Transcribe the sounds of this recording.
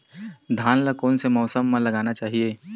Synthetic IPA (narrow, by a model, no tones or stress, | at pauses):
d̪ʱaːnlakoːnsemɔːsəmːãlɐɡaːnat͡ʃaːɦieː